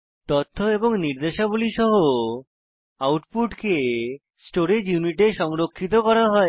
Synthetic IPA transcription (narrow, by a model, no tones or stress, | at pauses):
t̪ot̪ʰːoeboŋniɾd̪eʃabuliʃɔɦo | awʈpuʈke | sʈoɾed͡ʑjuniʈeʃɔŋɾokʰːit̪̬okɔɾaɦɔe